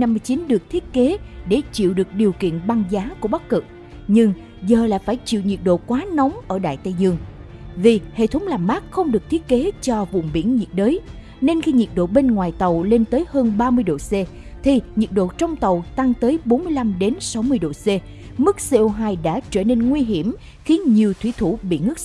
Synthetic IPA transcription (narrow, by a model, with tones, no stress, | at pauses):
na˧mːɨ˧əjt͡ɕi˨˦nɗɨ˨˩ək̚t̪ʰi˦˥ət̚ke˨˦ɗe˧˩t͡ɕḭ˧˨əwɗɨ˨˩ək̚ɗi˨˩əwkḭ˧˨ənɓa˧ŋzaː˨˦ku˧˩əɓa˦˥k̚ːɨ˨˩k̚ | ɲɨ˧ŋ | zəː˨˩la̰ː˧˨jfaː˧˩jt͡ɕḭ˧˨wɲi˨˩t̚ɗo̰˧˨kwaː˨˦nɔ˨˦wŋ͡mʔəː˧˩ɗa̰ː˧˨jt̪ə˧jzɨ˧əŋ | vi˨˩hḛ˧˨t̪ʰə˨˦wŋ͡mlaː˨˩mːaː˦˥k̚xə˧wŋ͡mɗɨ˨˩ək̚t̪ʰi˦˥ət̚ke˨˦t͡ɕɔ˧vʊ̰˧˨ŋ͡mɓḭ˧˩ənɲi˨˩ət̚ɗəː˨˦j | ne˧nxi˧ɲi˨˩t̚ɗo̰˧˨ɓe˧nŋwaː˨˩jt̪ə˨˩wle˧nt̪əː˨˦jhəː˧nɓaː˧mɨ˧əjɗo̰˧˨se˧ | t̪ʰi˨˩ɲi˨˩ət̚ɗo̰˧˨t͡ɕɔ˧wŋ͡mt̪ə˨˩wt̪a˧ŋt̪əː˨˦jɓo˨˦nmɨ˧əjla˧mɗe˨˦nsa˨˦wmɨ˧əjɗo̰˧˨se˧ | mɨ˦˥k̚se˧ʔo˧ɦaː˧jɗa̰ː˧˥t͡ɕəː˧˩ne˧nŋwi˧ɦi˧˩əm | xi˨˦ənɲi˨˩əwt̪ʰwi˧˩t̪ʰu˧˩ɓḭ˧˨ŋɨ˦˥k̚